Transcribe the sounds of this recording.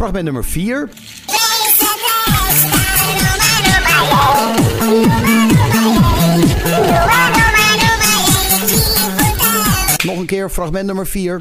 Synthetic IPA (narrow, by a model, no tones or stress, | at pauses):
raχmɛntnɵməɹfiːɹ | nɔχənkɪːɹfraχmɛntnɵməɹfiːɹ